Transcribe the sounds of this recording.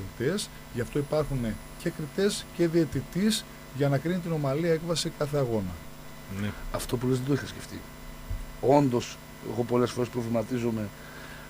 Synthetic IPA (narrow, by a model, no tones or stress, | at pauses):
it̪e̞s | ʝɐft̪o̞ipɐɾxune | ce̞kɾit̪e̞sce̞ðiet̪it̪is | ʝɐnɐkɾinit̪̬ino̞mɐliɐe̞kvɐsikɐθe̞ɐɣo̞nɐ̰ | nɐft̪o̞p̬ulezðed̪oixɐsce̞ft̪ḭ | o̞nd̪o̞s | e̞̰ɣo̞po̞le̞sfo̞ɾespɾo̞vlimɐt̪izo̞me̞